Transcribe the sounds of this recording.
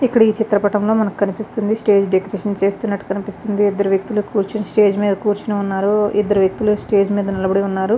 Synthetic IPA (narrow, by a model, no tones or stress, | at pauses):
ikːɐɽɐiːt͡ʃit̪ɾɐpɐʈɐmlo̞ːmɐnɐku̥kɐnipist̪und̪isʈe̞ːd͡ʒɖekɐɾeʂɐnt͡ʃe̞ːst̪unːɐʈːukɐnipist̪und̪iːd̪ːɐɾuʋjɐk̚t̪ulukuːɾt͡ʃinɐsʈe̞ːd͡ʒmiːd̪ɐkuːɾt͡ʃinɐunːaːɾuḭd̪ːɐɾuʋjek̚t̪ulusʈe̞ːd͡ʒmiːd̪ɐnɐlɐbɐɽiunːaːɾu